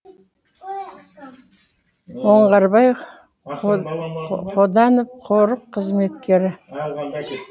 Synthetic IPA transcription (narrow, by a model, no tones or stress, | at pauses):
woɴʁɑɾbɑj | qʰod̪ɑnəp̚qʰoɾəqʰːəzme̞t̪kʲe̞ɾɪ